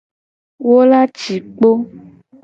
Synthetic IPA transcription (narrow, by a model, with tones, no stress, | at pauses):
wo˦la˦t͡ʃi˨k͡po˦